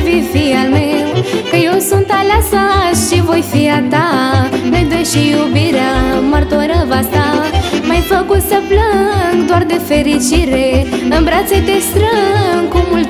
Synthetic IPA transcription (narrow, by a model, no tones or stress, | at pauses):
vifialmewkəjewsunt̪alasaʃivojfiat̪anəjd̪ejʃijubiɾaməɾt̪oɾəvast̪amajfəkusəbləŋɡd̪oaɾd̪efeɾit͡ʃiɾeəmbɾat͡set̪est̪ɾəŋkumult̪